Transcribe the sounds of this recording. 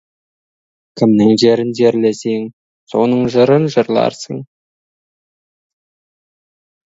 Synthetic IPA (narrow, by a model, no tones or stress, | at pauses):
kʲʰɪmnɪŋʒe̞ɾɪnd͡ʒeɾleseŋ | so̞nəɴʒəɾənʒəɾlˠɑ̰ɾsəɴ